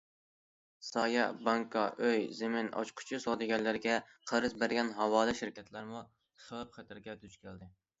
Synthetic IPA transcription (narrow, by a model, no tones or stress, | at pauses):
sɑjɑbɑŋkʰɑʔøjzɪmɪnɑ̰t͡ʃqʰʊ̥t͡ʃʰisɑd̪ɪɡʲɛnlːɪɾɡʲɛqʰəɾɨzbæɾɡʲɛnɦɑwɑːlɨʃiɾkʲʰɛt̪ʰlæɾmu | χlˠɨp̚χɛt̪ʰɪɾɡʲɛd̪yt͡ʃkʲʰɪld̪ɪ